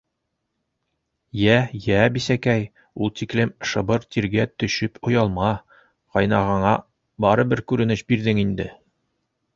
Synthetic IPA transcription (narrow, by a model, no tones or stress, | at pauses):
jæjæbisækæj | ulˠt̪iklɘmʃɤ̆bɤɾt̪iɾɡæt̪ɵ̆ʃɘpʰŏjɑlˠmɑ | qɒjnɑʁɑɴɑ | bɑɾɤbɘɾkʉɾɘ̆nɘɕbiɾðɘŋind̪ɘ